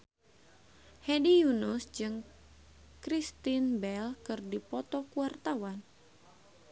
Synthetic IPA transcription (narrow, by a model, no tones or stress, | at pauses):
hɛdijunusd͡ʒɨŋ | kɾist̪inbɛlkɨrdipɔt̪ɔkuwart̪awan